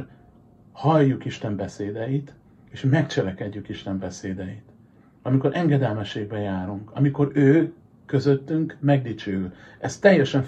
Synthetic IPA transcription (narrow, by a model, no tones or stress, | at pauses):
hɒjːukiʃt̪ɛmbɛseːd̪ɛjit̪ | eːʃmɛkt͡ʃɛlɛkɛɟːykiʃt̪ɛmbɛseːd̪ɛjit̪ | ɒmiko̞ɾʔɛŋɡɛd̪ɛlmɛʃːeːɡ̚bɛjaːɾuŋkɒmiko̞ɾøː | køzøt̪ːyŋkmɛɡd̪it͡ʃøːylɛst̪ːɛjːɛʃɛɱ